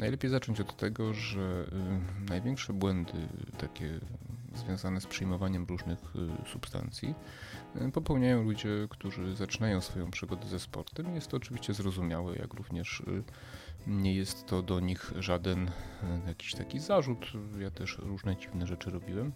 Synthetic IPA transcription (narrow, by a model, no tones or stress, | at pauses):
najlɛpʲjejzat͡ʂɔɲt͡ɕɔt̪ːɛɡɔʐɛ | najvʲjɛŋkʂɛbwɛnd̪ɘ̰t̪akʲɛ̰zvʲjɔ̃w̃zanɛspʂɨjmɔvaɲɛmɾuʐnɘxsupst̪a̰nt̪sʲjḭ | pɔpɛwɲajɔ̃w̃lud͡ʑɛkt̪uʐɘzat͡ʂɨnajɔ̃w̃sfɔjɔ̃w̃pʂɘɡɔd̪ɛzɛspɔ̰ɾt̪ɛmijɛst̪ːɔːt͡ʂɘvʲiɕt͡ɕɛzɾɔzumʲjawɛ̰jʔa̰kɾuvɲɛʂ | ɲɛjɛst̪ːɔd̪ɔɲixʐad̪ɛnjakʲi̥ɕt̪akʲizaʐut̪jat̪ɛʂɾuʐnɛd͡ʑivnɛʐɛt͡ʂɘɾɔbʲiwɛm